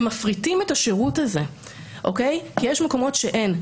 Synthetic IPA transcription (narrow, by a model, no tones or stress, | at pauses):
mafʁitimetaʃeʁutaze̞ | ʔo̞kejkijɛʃmeko̞mo̞tʃeʔe̞n